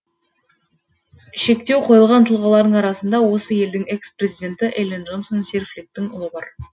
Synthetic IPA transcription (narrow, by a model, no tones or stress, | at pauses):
ʃe̞kt̪e̞wqʰo̞jəlˠʁɑnt̪ʰəlˠʁɑlˠɑɾd̪əɴɑɾɑsənd̪ɑwo̞səje̞ld̪ɪŋe̞kspre̞zijd̪ʲe̞nt̪ɪʔelʲenʒo̞nsonserflʲik̚t̪ːɪŋʊlˠəbɑɾ